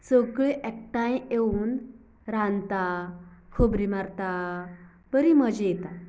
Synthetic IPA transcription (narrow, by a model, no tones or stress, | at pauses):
səɡɭeʔek̚ʈaj̃eun | ɾant̪akʰəbɾimaɾt̪a | b̥əɾiməd͡ʑejet̪a